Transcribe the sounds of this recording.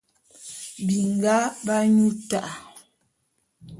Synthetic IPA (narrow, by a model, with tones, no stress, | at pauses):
bi˨ŋ˨ɡa˦ba˦ɲu˦ta˦ʔa˨